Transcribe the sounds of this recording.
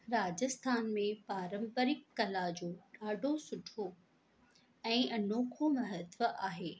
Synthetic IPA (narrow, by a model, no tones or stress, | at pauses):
ɾaːd͡ʑəst̪ʰaːnmẽpaːɾə̃mbəɾɪkːɐlad͡ʑoːɗaːɖʱosʊʈʰo | ɛ̃ːʔɐnoːkʰomɐɦət̪ʋəʔaːɦeː